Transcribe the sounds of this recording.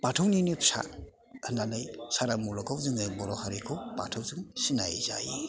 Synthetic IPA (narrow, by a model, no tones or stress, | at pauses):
patʰawninipʰsa̰ | andanajsaɾamulɔkʰawzɯŋajbɔɾɔhaɾikʰɯwpa̰tʰawzɯŋsinajza̰ji